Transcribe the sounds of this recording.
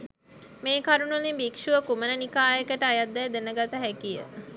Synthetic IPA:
meːkaɾunulimbikʃuʋəkumənənikaːjəkəʈəajad̪ːɛjd̪enəɡat̪əɦækijə̰

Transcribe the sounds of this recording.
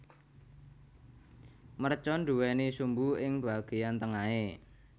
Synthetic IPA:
mərt͡ʃɔnɖ̪uwɛnisumbuɪŋb̥aɡ̥ejant̪əŋae

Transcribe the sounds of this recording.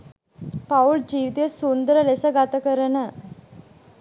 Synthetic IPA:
pauld͡ʑiʋt̪eəsund̪ɾəlesəɡat̪əkəɾənə

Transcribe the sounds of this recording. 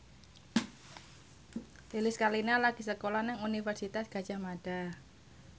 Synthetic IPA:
lilɪskalinalaɡ̥isəkolanaŋunifɛrsit̪asɡ̥a̤̥d͡ʒ̥ahmaɖ̥a̤

